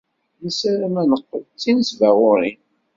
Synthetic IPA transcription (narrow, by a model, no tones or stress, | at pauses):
nəsæɾæmænəqːəðt͡sːinsvæʁʊɾin